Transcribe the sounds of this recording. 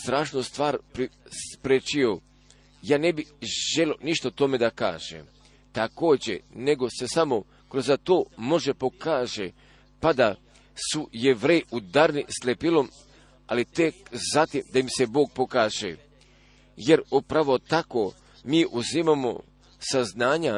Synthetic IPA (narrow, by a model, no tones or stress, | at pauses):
st̪ɾaːʃnust̪ʋaːɾpɾispɾet͡ʃio | jaːne̞biʒ̥elʲioniʃt̪at̪o̞me̞d̪aka̰ːʒ̥ḛm | t̪ako̞ːd͡ʑḛne̞ɡo̞sesamo̞ | kɾozat̪oːmo̞ʒepo̞kaːʒe | pad̪a | suje̞ʋɾeːjiud̪aɾnislepilo̞m | alit̪ekzat̪imd̪aimse̞bo̞ːɡ̚pokaːʒḛ | je̞ɾupɾaʋo̞t̪ako | miːʔuzimamo̰ | saznaːɲa